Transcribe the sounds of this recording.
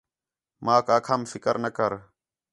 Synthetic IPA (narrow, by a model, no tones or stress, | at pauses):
mãːkaːkʰəmfɪkəɾnəkəɾ